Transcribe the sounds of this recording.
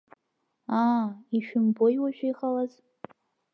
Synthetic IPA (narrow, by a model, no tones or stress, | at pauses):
aiʃᶣʏmbojwaʒᶣʷijχalaz